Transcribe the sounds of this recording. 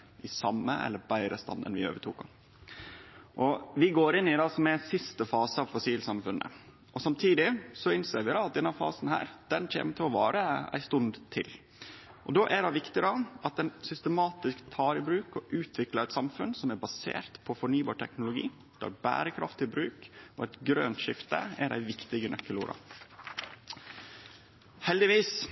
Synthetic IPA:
ʔɪsɑmːəʔɛ̰lːəɾbæɪɾəst̪ɑ̰nd̪ə̰nʋɪø̰ːʋəʈʰuːkɑ̰ | ʔɔʋɪɡoːɾɪnːɪd̪ɑːsɔmɛsɪst̪əfɑːsəɑʋfʊsiːlsɑmfʉnːə̰ | ʔɔsɑmt̪ʰiːd̪ɪsɔɪnseːɾʋɪd̪ɑːɑt̪̚d̪ɛnːɑfɑ̰ːsn̩hæ̰ːɾd̪̥ɛnc͡çḛːməʈ̪ʰɪlɔʋɑːɾəæ̰ɪst̪ʉnd̪t̪ʰɪ̰l | ʔɔ̰d̪oːʔæɖɑʋɪkt̪ɪd̪ɑʔɑt̪̚d̪ɛnsʏst̪əmɑːt̪ɪskt̪ʰːɑːɾɪbɾʉːkɔʔʉːt̪ʰʋɪklɑɾɛɪt̪sɑmfʉnsɔmæɾbɑsḛːɾt̪pʰɔfɔɳyːbɑːʈʰɛknʊlʊɡḭː | d̪̥æ̰ːɾbæ̰ːɾəkʰɾɑ̰ft̪ʰɪlbɾʉːkɔɛt̪ɡɾøːnt̪ʃɪft̪ə̰æɖæ̰ɪʋɪkt̪ɪɡənʔœkːəluːɾʔɑ̰ | hɛld̪ɪʋiːs

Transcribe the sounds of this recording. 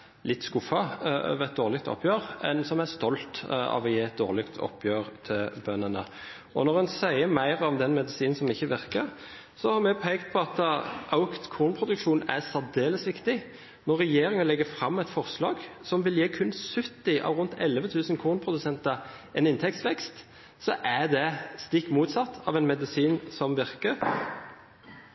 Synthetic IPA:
lɪt̪ːskʊfːɑ̰ʋɾɛt̪̚d̪oːʁlɪk̚t̪ʰɔ̰pʰːjøːʁɛ̰nsɔmæst̪ɔlt̪ɑ̰ʋɔjeːɛt̪̚d̪o̰ːʁlɪkt̪ʰɔ̰pʰːjøːʁt̪ʰɪlbœnənə | ɔnɔʁɛnsæɪəmæɪɾɔmd̪ɛnmɛd̪ɪsiːnnsɔmɪçːəʋɪʁkəɾ | sɔhɑɾmɛpʰæɪkt̪̚pʰɔɑt̪əʔaʊkt̪kʰuːnpʰɾʊd̪ʉkʂuːnæsæd̪eːləsʋɪkt̪ɪ | nɔʁːɛjeːɾɪŋənlɛɡəfɾɑmːɛɪt̪fɔʁslɑːɡsɔmʋɪljeːkʰʉnːsʉt̪ːɪʔɑ̰ːʋɾʊnt̪ʰɛlːəʋət̪ʰʉːsənkʰuːnpʰʁʊd̪ʉsɛnt̪əʁ | ɛnɪnt̪ʰɛk̚t̪sʋɛkst̪ | sɔʔæd̪ɛst̪ɪkːmuːt̪sɑt̪ʰːɑ̰ːʋɛnmɛd̪ɪsiːnsɔmʋɪʁkəɾ

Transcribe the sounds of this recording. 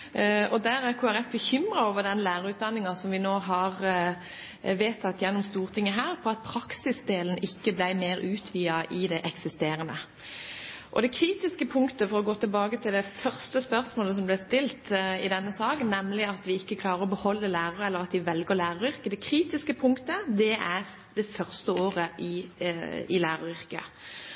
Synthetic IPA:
ʔɔd̪æːɾæʁkʰuːæɾɛfbəçʏmʁɑoːʋəd̪ɛnlæːʁəʉːt̪̚d̪ɑnːɪŋɑsɔmʋɪnoːɦɑʁ | ʋeːt̪ʰɑt̪ːjɛnːɔmst̪uːʁt̪ʰɪŋːəɦæːʁpʰɔɑt̪̚pʰɾɑksɪsd̪eːlənɪkːəblæɪmeːɾʔʉːt̪ʰʋiːɑʔɪd̪ɛʔɛksɪst̪eːɾənə | ʔɔd̪ɛkʰɾiːt̪ɪskəpʰʊŋkt̪əfɔɾɔɡoːt̪ʰɪlbɑːɡət̪ʰɪld̪ɛfœʁst̪əspœʁsmoːləs̬ɔmblɛst̪ɪlt̪ɪd̪ɛnːəsɑːkənnɛmlɪɑt̪ʋɪɪkːəkʰlɑːɾəɾɔbəhɔlːəlæːʁɑɾəɛlːəʁɑt̪ʋɪʋɛlɡəʁlæːɾɑɾʏɾkəd̪ɛkʰɾiːt̪ɪskəpʰʊŋkt̪əd̪ɛæʁ | d̪̥ɛfœʁst̪əoːʁəʔɪ | ɪlæːɾɑʁʏɾkə̰

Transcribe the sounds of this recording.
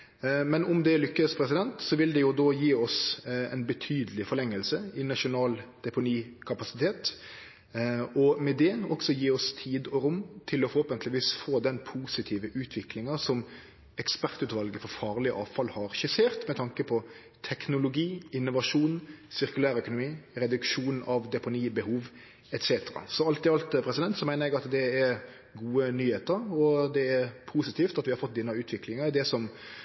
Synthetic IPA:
mɛnʊmd̪ɛlʏkːəspʰɾɛsɪd̪ɛnt̪sɔʋɪld̪ɛjʊd̪oːjiːɔsɛ̰ɪnbət̪ʰyːd̪əlɪfɔɾlɛŋːəlsəɪnɑʂʊnɑːld̪̥ɛpʊniːkʰɑpɑsɪt̪ʰeːt̪ | ɔmɛd̪ɛɔɡ̥sɔjiːɔst̪ʰiːd̪ɔɾʊmt̪ʰɪlɔfɔɾhoːpənt̪ʰlɪʋiːsfoːd̪ɛnpʰuːsɪt̪ʰiːʋəʔʉːt̪ʰʋɪklɪŋɑsɔm | ɛkspæʁt̪ʉːt̪ʋɑlɡəfɔɾfɑːʁlɪəʔɑːʋfɑlhɑɾɕɪseːɾt̪mɛt̪ʰɑŋkəpʰɔ | t̪ʰɛknʊlʊɡiːɪnːʊʋɑʂuːnsɪɾkʉlæːɾœkʊnʊmiːɾɛd̪ʉkʃuːnɑʋd̪ɛpʊniːbəhuːʋ | ɛt̪seːt̪əɾɑ̰sɔɑlt̪ɪɑlt̪pʰɾɛsɪd̪ɛnt̪sɔmæɪnəɾɛɡɑt̪d̪ɛɛɾ | ɡuːənyːheːt̪əɾɔd̪ɛɛɾpʰuːsɪt̪ʰiːft̪ɑt̪ʋɪhɑɾfɔt̪̚d̪ɪnɑʉːt̪ʰʋɪklɪŋɑd̪ɛsɔm

